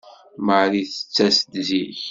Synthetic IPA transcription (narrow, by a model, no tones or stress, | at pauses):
məʕɾiθə̥t͡sːæsd̪ziç